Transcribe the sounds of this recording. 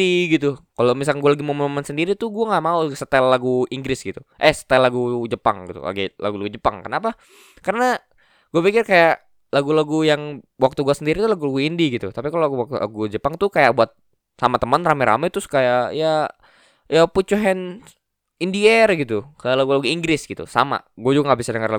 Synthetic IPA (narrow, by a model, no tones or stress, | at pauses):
iɡit̪ukalomis̬alɡualaɡimomomansəndiɾit̪uɡuaŋaʔmausət̪ɛlːaɡuiŋɡɾɪsɡit̪uʔɛhsə̥t̪ɛlaɡud͡ʒəpa̰ŋɡit̪ṵla̰ɡila̰ɡulaɡud͡ʒəpa̰ŋkənapa | kərəna | ɡ̥uapikɪrkajaʔ | laɡulaɡujaŋ | wak̚t̪uɡuasəndiɾit̪ulaɡulaɡuindiɡit̪ṵt̪apikaloaɡuwak̚t̪ula̰ɡud͡ʒəpaŋt̪ʊkajaʔ̚buat̪̚ | samat̪əmənramɛɾa̰mɛt̪ʊskajaʔja | japut͡ʃuɦɛn | indiərɡit̪ukajaʔlaɡulaɡuiŋɡɾɪsɡit̪ṵsa̰ma̰ɡuad͡ʒuɡaŋɡabisadəŋərla